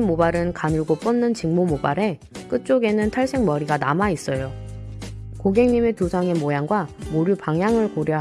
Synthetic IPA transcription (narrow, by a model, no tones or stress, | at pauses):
mmːobaɾɯnkanɯɭɡop͈ɯnːɯnt͡ɕiŋmomobaɾe̞ | k͈ɯt̚t͡ɕ͈oɡe̞nɯntʰaɭs͈e̞ŋmʌɾiɡanamais͈ʌjo | koɡe̞ŋɲime̞tusʰaŋe̞mojaŋɡwamoɾjupaŋjaŋɯɭkoɾjʌ